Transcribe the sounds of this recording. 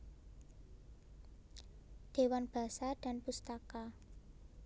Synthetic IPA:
d̪̥e̤wanb̥a̤sad̪̥a̤npust̪aka

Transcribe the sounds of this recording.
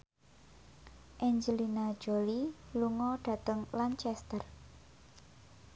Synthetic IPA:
ʔɛɲd͡ʒəlinḁd͡ʒ̥oliluŋɔɖ̥ä̤t̪əŋlant͡ʃɛst̪ər

